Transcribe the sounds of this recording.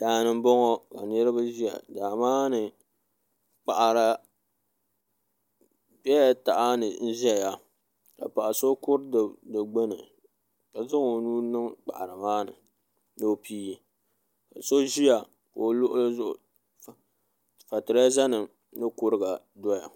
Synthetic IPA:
d̥aː˨nɨ˨m˦bɔ˦ŋɔ˦ka̰˨nɨ˦ɾɨ˦ba˦ʒi˦ja̰˨daː˨maː˦nɨ˨ | k͡pa˨ʔa˨ɾa˨ | bɛ˦ja˨ta˨ʔa˦nɨ˨n̩˦ʒɛ˦˨ja˨ | ka̰˨pa˨ʔa˨so˦kʊ˦ɾddɨ˨ɡ͡ba˦nɨ˨ | ka˨zɨ˦ŋo˨nuː˦nɨ˦ŋk͡pa̰˨ʔa˨ɾɨ˨maː˦nɨ̰˨ | no˦˨piː˦i˨ | ka˨so˦ʒi˦ja˨ | ko˨lʊ˦ʔʊ˦la˦zʊ˦ʔʊ̰˨ | fa˨tɨ˨ɾa˦a˦za˦nɨ˨ | nɨ˦kʊ˦ɾɨ˦ɡa˨ | dɔ˦ja̰˨

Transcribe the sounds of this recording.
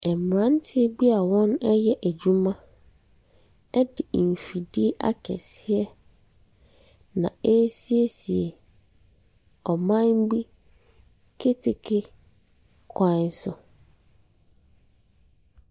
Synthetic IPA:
ɛ˨m˨ɾã˦n˦tʰɪ˦bi˦a˨wɔ̃˦nɛ˦jɛ˦ʔæ˨d͡ʑu˦mã˦ | ɛ˦dɪ˨m̩˨fi˨di˦e˦ʔa̰˦kʰɛ̰˨sɪ˦ɛ˦ | nã̰˨e˦si˦e˦si˨e˨ | ɔ˨mã˦nbi˦ | kʰe˦tʰe˨kʰe˦ | kʰã˦n˦sʊ˨

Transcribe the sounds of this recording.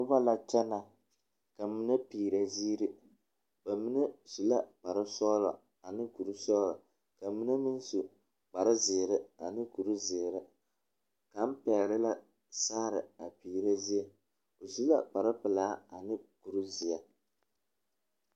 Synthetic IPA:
ʊ˦ba˦la˨t͡ʃɛ˦na˨ | ka˨˦mi˦na˦piː˨ɾa˨zi˦ɾi˦ | ba˨mi˦nɛ˦si˨la˦k͡pa˨ɾɨ˦sɔː˦lɔ˨ | a˨nɨ˦ku˨ɾu˦sɔː˦lɔ˨ | ka˨mi˦na˦mi˦n˦su˨ | k͡pa˨ɾɪ˦zɪ˨ɾɪ˦a˨nɨ˦ku˨ɾu˦zɪ˨ɾɪ˦ | ka˨m̩˦pɛː˨lɪ˦la˦ | saː˦ɾɨ˨a˨piː˨ɾa˦zi˦a˨ | o˨si˦la̰˦k͡pa˨ɾɪ˦pɨ˨laː˦a˨nɨ˦ku˨ɾu˦zi˨a˨

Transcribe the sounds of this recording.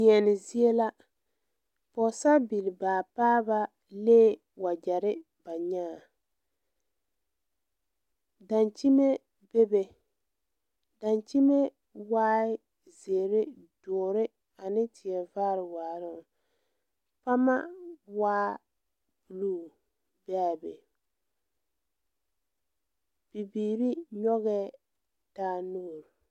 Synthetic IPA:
ɲɛ˨nɪ˨zi˦e˦la˦ | pɔ˨sa˦bi˨lɪ˨baː˨paː˦ba˦ | leː˦ | wa˨d͡ʒɛ˨ɾɪ˦ | b̥a˨ɲaː˦˨ | da˨nt͡ʃi˦me˦ | be˦be˨ | da˨nt͡ʃi˦me˦ | waː˦ɪ˦ | zeː˨ɾɪ˦ | dɔː˨ɾɪ˦ | a˨nɪ˦tɪ˨ɛ˨vaː˦ɾɪ˨waː˨ɾɪ˦˨ | pa˦ma˦waː˦ | bu˨lu˦˨ | bɛ˦˨bḛ˨ | bi˨biː˨ɾi˦ɲɔ˦ɣɛ˦ | d̥aː˦noː˦˨ɾ

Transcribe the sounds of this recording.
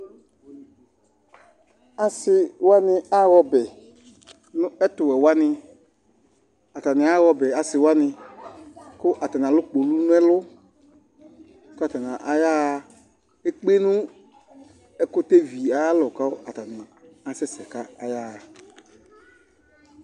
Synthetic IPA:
a˨sɪ˨wa˦nɪ˦a˦ɣɔ˦bɛ˨ | nʊ̃˦ɛ˦t̪ʊ˨wɛ˨wa˦nɪ˧ | a˨ta˨nɪ˨a˦ɣɔ˨bɛ˨a˨sɪ˨wa˦nɪ̃˧ | kʊ˦ʔa˨ta˨nã˨lʊ˦k͡po˨lu˦nʊ̃˦ɛ˦lʊ˦ | ka˨ta˨nã˨ʔa˨ja˦˨ | e˦k͡pe˦nʊ̃˦ | ɛ˦kʊ˦t̪e˦vi˨a˨˦lɔ˨ka˦ʔa˨t̪a˨nɪ̃˨a˨˦sɛ˦sɛ˨ka˦a˨ja˦˨

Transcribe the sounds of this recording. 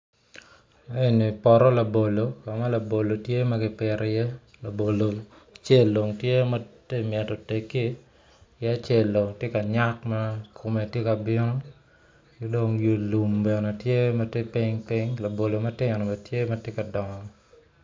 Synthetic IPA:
e˦˨ni˨pɔ˨ɾɔ˦la˨bo˨lo˨ka˨ma˦la˨bo˨lo˨tje˦ma˦ɡɪ˦pɪ˨ɾjɛ˦ | la˨bo˨lo˨ | t͡ʃe˦˨lːo˨ŋtje˦ma˦te˦˨mjɛ˨tɔ˨te˨ki˦ | jɛ˦a˦t͡ʃɛ˦˨lːo˨ŋtje˦ka˨ɲa˦kma˦kʰo˨me˨tje˦ka˨bɪ˦nɔ˦ | ki˦do˦ŋjo˨lu˨mbɛ˨ne˨tje˦mɐ˦te˦pi˦ŋpi˦ŋla˨bo˨lo˨mɐ˦tɪ˦ɲ˨nɔ˨bɐ˨tje˦mɐ˦tje˦ka˨dɔ˨ŋɔ˨

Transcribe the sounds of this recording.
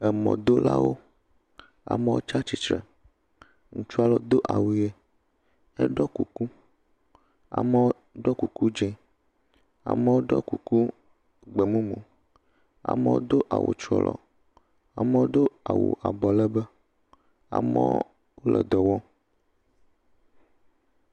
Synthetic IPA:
ɛ˨mɔ̰̃˨d̪o˦la̰˦wo̰˦ | a̰˨mɛ˦wo̰˦t͡ʃa˦t͡ʃi˨t͡ʃɾɛ˨ | ŋũ˨t͡ʃu˦a˦lɔ˨d̪o˦ʔa˨wu˨je˦ | ɛ̰˦ɖɔ˦ku˨ku˦ | a̰˨mɛ˦ | ɖɔ˦ku˨ku˦d͡ʒɛ˦ | a̰˨mɛ˦wo˦ɖɔ˦ku˨ku˦ | ɡ͡bɛ˨mũ˦mũ˨ | a̰˨me˦wo̰˦d̪o˦ʔa˨wʔo̰˨t͡ʃɾɔ̰˦lʔɔ̰˨ | a˨mɛ˦wo˦d̪o˦a˨wo̰˨ʔa˨bɔ˨lɛ˦bɛ˦ | a̰˨mɛ̰˦ | wo˦lʔɛ˨d̪ɔ˨wɔ˦

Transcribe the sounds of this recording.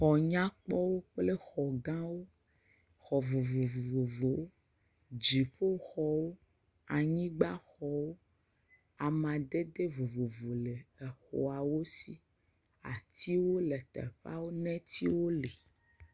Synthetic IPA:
xɔ˨ɲã˦k͡pɔ˦wo˦k͡ple˦xɔ˨ɡã˦wo˦ | xɔ˨vo˨vo˨vvo˨vo˨wo˦ | d͡ʒi˨ɸo˦xɔ˨wo˦ | a˨ɲĩ˦ɡ͡ba˦xɔ˨wo˦ | a˨mã˨d̪e˦d̪e˦vo˨vo˨vo˨le˨e˨xo˨a˨wo˦si˦ | a˨t̪ʰi˦wo˦le˨t̪ɛ̰˨ɸa̰˦wo˦nɛ̃˦t̪i˦wo˦le˨

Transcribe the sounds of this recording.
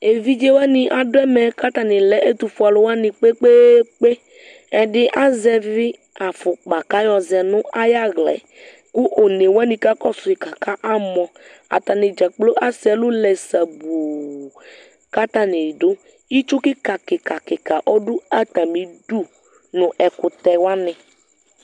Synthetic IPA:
e˨vi˦d͡ʒe˦wa˦nɪ̃˨ʔa˨dʊ˦ɛ˦mɛ˨ka˦t̪a˨nɪ˨lɛ˨ʔe˦t̪u˨fʊ˨˦a˨lʊ˦wa˦nɪ̃˨k͡pe˦k͡pe˦k͡pe˦ | ɛ˨ɖɪ˦ʔa˦zɛ˦vɪ˦ | a˨fʊ˨k͡pa˨ka˦jɔ˨zɛ˨nʊ̃˦a˦ja˦ɣlɛ̰˨ | kʊ˦ʔo˨ne˨wa˦nĩ˨ka˦kɔ˦sʊ˨i˨ka˨ka˦ʔa˦mɔ̃˨ | a̰˨t̪a˨nɪ˨d͡ʒa˨k͡plo˦ʔa˦sɛ˨lʊ˦lɛ˨sa˨bu˨ | ka˦t̪a˦nɪ˨dʊ˦ | i˦t͡ʃʊ˦kɪ˦ka˨kɪ˨ka˨kɪ˨ka˨ʔɔ˦dʊ˦a˨t̪a˨mĩ˨du˦ | nʊ̃˨ʔɛ˨kʊ˨t̪ɛ˨wa˦nɪ̃˨

